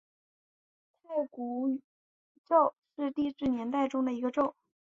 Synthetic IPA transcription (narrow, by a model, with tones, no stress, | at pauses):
t̪ʰa˥˩ɪku˧˥ | ʈ͡ʂo˥˩˧ʊʂɻ̩˥˧t̪i˥˧ʈ͡ʂɻ̩˥˩njɛ˧˥nt̪a˥˩ɪʈ͡ʂʊ˥ŋd̪ə˨i˧˥ɡə˧ʈ͡ʂo˥˩ʊ